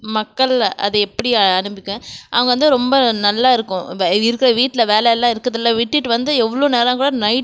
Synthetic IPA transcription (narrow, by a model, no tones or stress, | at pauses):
mɐkːɐɭʔɐ̰ðɐɛpːɐɽɪɐɳɯmbɪkːɛ̃ːʔɐ̰ʋɐŋɡɐʋɐnd̪ɯɾɔmbɐnɐlːaːɪɾɯkːʊ̃ɪɾɯkːɯɾɐʋiːʈːɪlɐʋeːlɛɛlːãːɪɾɯkːɐðɐlːaʋiːʈːɪʈːɯʋɐnd̪ɯɛʋːɐɭoːneːɾãːkuːɽanɐɪʈ